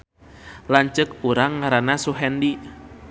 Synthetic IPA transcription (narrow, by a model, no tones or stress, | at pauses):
laɲt͡ʃək̚uɾaŋːaɾanasuɦɛndi